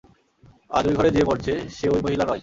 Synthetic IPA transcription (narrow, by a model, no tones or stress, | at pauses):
a̰ɾojɡʱɔɽed͡ʑebɔɾd͡ʑʰeʃeojmoɦilaɾɔj